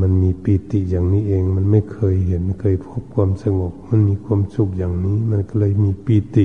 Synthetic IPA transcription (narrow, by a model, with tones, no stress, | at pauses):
ma˧˨nmiː˧˥piː˧˩t̪i˧˨ʔjaː˨˩ŋniː˧˥˨ʔeː˧ŋma˧˨nma˥˩˨jkʰɤː˧˨jhe˧˦na˧˨kʰɤː˧˨jpʰo˦˥p̚kʰwuː˧˥˨msa˧ŋo˨˩k̚ma˧˥˨nmiː˧˥˨kʰwu˧˥˨msu˧˩k̚jaː˨˩ŋniː˧˥˨ma˧˨nka˧˩lɤː˧˨jmiː˧˥piː˧˩t̪i˧˨